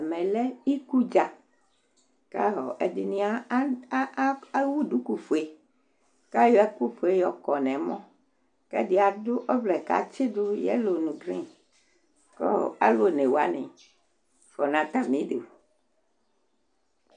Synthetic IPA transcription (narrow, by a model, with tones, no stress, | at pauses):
ɛ˨mɛ̃˨lɛ˦i˦ku˦d͡ʒa˨ | ka˦ɦɔ˨ʔɛ˨di˨nĩ˦a˦ | wu˦ɖu˦ku˦fo˨e˦ | ka˦jɔ˦ɛ˦ku˦ɸo˨e˦jɔ˨kɔ˨nɛ̃˨mɔ̃˦ | kɛ˦di˨a˨dʊ˦ʔɔ˦vlɛ˨ka̰˨t͡ʃi˦do˦jɛ̰˦lo˨nũ˨ɡɾḭ̃˦ | kɔ̰˦ɔ̰˨a̰˦lo˦nẽ˨wa˦nɛ̰̃˨ | fɔ˨nã˨t̪a˦mĩ˨˦de˨o˨